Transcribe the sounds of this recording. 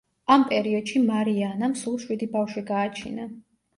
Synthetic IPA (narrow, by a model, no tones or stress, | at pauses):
ampʼɛɾiɔd̪̥ʃimaɾianamsulˠʃwid̪ibafʃiɡaːt͡ʃʰḭna